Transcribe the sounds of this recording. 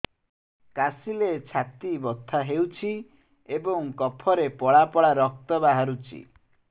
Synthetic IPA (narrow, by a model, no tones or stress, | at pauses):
kasilet͡ʃʰat̪ibɔt̪ʰːaɦewt͡ʃʰi | ebɔŋkɔpʰɔɾepɔɭapɔɭaɾɔk̚t̪ɔbaɦaɾut͡ʃʰḭ